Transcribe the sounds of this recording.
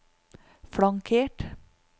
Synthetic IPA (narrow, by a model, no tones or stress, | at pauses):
fɽɑŋkʰeːʈ